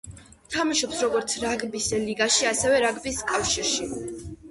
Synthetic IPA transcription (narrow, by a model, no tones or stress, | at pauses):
t̪ʰamaʃɔpsɾɔɡɔɾt̪sʰɾaɡbisliɡaʃiasɛvɛɾaɡbiskʼafʃiɾʃi